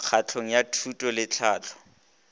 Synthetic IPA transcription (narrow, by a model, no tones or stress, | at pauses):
k͡xʰat͡ɬʰoŋ̩jatʰutʼɔlɪt͡ɬʰaːt͡ɬʰɔ̥